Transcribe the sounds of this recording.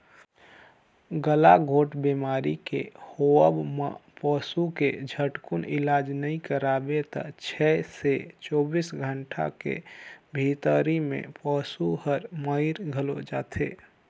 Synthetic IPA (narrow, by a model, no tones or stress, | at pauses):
ɡəlaɡʱoːʈbimaːɾikḛhoəbma̰pɔːsuked͡ʒʱəʈkunɪ̰laːd͡ʒnəĩkəɾaːbet̪ə̰t͡ʃʰɛset͡ʃɔːbiːsɡʱəɳʈʰa̰kḛbʱiːt̪əɾimḛ̃pɔːsuhəɾməɪɾɡʱəlo̰d͡ʒa̰ːt̪ʰḛː